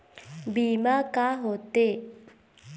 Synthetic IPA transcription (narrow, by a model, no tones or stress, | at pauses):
bimakaɦot̪e